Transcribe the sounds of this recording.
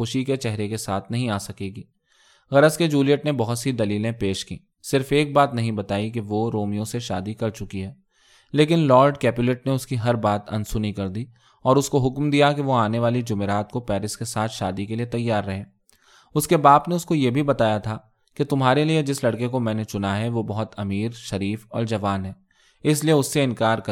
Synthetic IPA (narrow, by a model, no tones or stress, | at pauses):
ʊʃiket͡ʃɛɦɾekesaːt̪ʰnɐɦĩaːsɐkeːɡiː | ɣɐɾəsked͡ʒuːlijəʈnebɔɦʊt̪sid̪ɐliːlẽpeːʃkḭ̃ː | sɪɾfeːk̚baːt̪nɐɦĩbɐt̪aːik̬eʋoɾoːmijõseʃaːd̪ikɐɾt͡ʃʊkiɦɛː | leːk̬ɪnlɔːɾɖkɛːpjʊlɛʈneʊskiɦɐɾbaːt̪ɐ̰̃nsʊnikɐɾd̪iː | ɔːɾʊskoɦʊkmd̪ijakeʋoaːneʋaːlid͡ʒʊmeɾaːt̪̚kopɛːɾɪskesaːt̪ʰʃaːd̪ikeliet̪ɐjːaːɾːɐɦẽː | ʊskebaːpneʊskojebʱibɐt̪aːjat̪ʰa | ket̪ʊmɦaːɾelied͡ʒɪslɐɽkek̬omɛ̃ːnet͡ʃʊnaɦɛʋobɐɦʊt̪ɐmiːɾʃɐɾiːfɔ̰ːɾd͡ʒɐʋaːnɦɛː | ɪslieʊsːeɪ̃nkaːɾkɐ